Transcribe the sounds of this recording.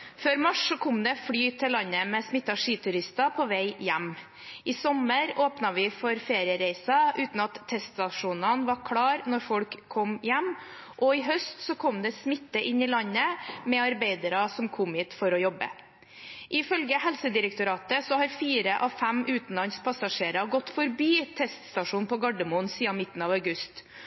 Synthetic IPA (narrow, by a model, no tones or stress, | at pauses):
føːɾmɑʂsɔkʰɔmd̪ɛfɽyːt̪ʰɪlɑnːəmɛsmɪt̪ːɑʂiːt̪ʰʉɾɪst̪ɑpʰɔːʋæɪjæmː | ʔɪsɔməɾoːpnɑʋɪfɔɾfeːɾɪəɾæɪsɑʔʉːt̪n̩ɑt̪ʰːɛst̪sɑʂuːnənʋɑɾkʰɽɑːɾnɔɾfɔlkʰːɔmjæmː | ʔɔɪɦœst̪sɔkʰɔmd̪ɛsmɪt̪ːəʔɪnːɪlɑɲːəmɛɑɾbæɪd̪əɾɑsɔmkʰɔmiːt̪fɔɾɔjɔbə̰ | ʔɪfœlɡəhɛlsəd̪ɪɾəkt̪ʊɾɑːt̪əsɔhɑɾfiːɾəʔɑʋfæmʉːt̪n̩lɑnspʰɑsɑʂeːɾɑɡɔt̪ːfɔɾbiːt̪ʰɛst̪st̪ɑʂuːnpʰɔɡɑɖəmʊnsiːɑnmɪt̪ːn̩ɑːʋɑʉɡʉst̪